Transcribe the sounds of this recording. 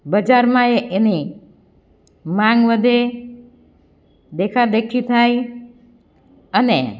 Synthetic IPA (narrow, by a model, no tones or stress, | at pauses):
bəd͡ʒaɾmãeʔeni | mãŋɡʋəd̪e | d̪ekʰad̪ekʰːit̪ʰaj | ənḛ